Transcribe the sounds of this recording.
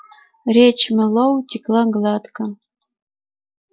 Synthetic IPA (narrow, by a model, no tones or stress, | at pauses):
rʲet͡ɕmɘ̆lowt̪ʲiklˠɑɡlˠɑt̪kɤ